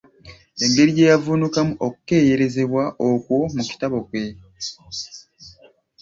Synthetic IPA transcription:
e̞ŋɡe̞ɾije̞ːjavunukamuʔoku̥ke̞ːje̞ɾe̞ze̞βwaʔokwo̞muci̥taβo̞kwe̞

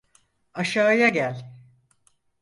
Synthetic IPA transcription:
aʃaːjaɟælʲ

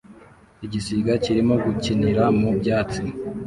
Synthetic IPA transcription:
iɟisiɡaciɾimo̞ɡuciniɾamubjaːt͡si

